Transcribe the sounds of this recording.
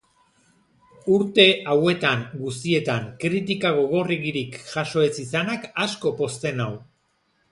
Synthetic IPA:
uɾt̪e̞ʔawe̞t̪aŋɡust̪ie̞t̪aŋkɾit̪̬ikaɣo̞ɣ̞o̞reɣiɾikʝaʃo̞e̞sisanakasko̞po̞st̪e̞naw

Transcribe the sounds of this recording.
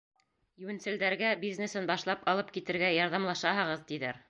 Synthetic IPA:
jɘ̆wɘ̆nsɘ̆ld̪æɾɡæbiznesɘnbɑʃlˠɑpɑlˠɤp̚kit̪ɘ̆ɾɡæjɑɾðɑmlˠɑʃɑɦɤ̆ʁɤ̆ðt̪iðæɾ

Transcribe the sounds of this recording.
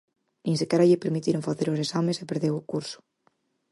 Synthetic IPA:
nĩŋsikɛɾaʎepeɾmit̪iɾoŋfaθeɾosesamesepeɾðewokuɾsʊ̥

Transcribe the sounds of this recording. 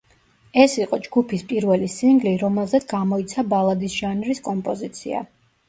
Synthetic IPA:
ɛsiqʼɔd͡ʒɡupʰispʼiɾvɛlisiŋɡliɾɔmɛlˠzɛt̪sɡamɔit̪sʰabalˠad̪isʒanɾiskʼɔmpʼɔzit̪sʰḭa̰

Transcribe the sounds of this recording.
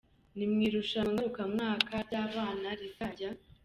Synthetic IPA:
nimŋiːɾuʃaŋɡaɾukamŋaːkʰaaːβaːnaɾitaɟa

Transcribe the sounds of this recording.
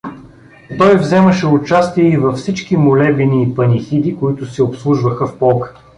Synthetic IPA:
t̪ɔjvzɛməʃɛʊt͡ʃast̪iɛivɐfsit͡ʃkimʊlɛbiniːpɐnixid̪ikʊit̪ʊsɛopslˠuʒvəxəfpɔlˠkə̥

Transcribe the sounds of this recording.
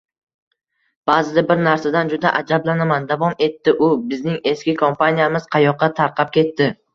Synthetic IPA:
b̥aːzɪd̪abɪɾnaɾsad̪and͡ʒʊd̪aʔad͡ʒablanamand̪avɒne̞t̪ːɪʔʊbɪznɪŋe̞skʲɪkʰompʰanijamɪz̥qʰɑjɒqːɑt̪ʰaɾqʰɑp̚kʲe̞t̪ːɪ

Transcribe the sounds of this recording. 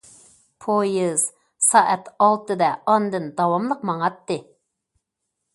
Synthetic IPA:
pʰojiz̥ | sɑʔɛt̪ɑlˠt̪ɨd̪ɛɑnd̪ɨnd̪ɑwɑmlˠəqmɑŋɑt̪ːɨ

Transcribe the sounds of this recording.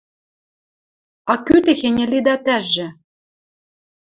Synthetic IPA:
ɑkyt̪ɘ̆xĕnʲɘ̆lid̪ɑt̪æʒɘ̆

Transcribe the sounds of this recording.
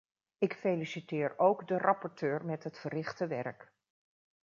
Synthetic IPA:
ɪkfelisitɪːɹowɡdərʔɑpɔɹtøːɹmɛtɦətfərɪχtəʋɛ̰ɹk

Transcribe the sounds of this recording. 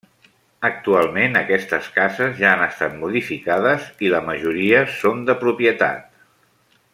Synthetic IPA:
ək̚t̪ualˠmenəkɛst̪əskazəzʒaːnəst̪at̪muðifikaðəziləməʒuɾiəsond̪əpɾupjət̪a̰t̪

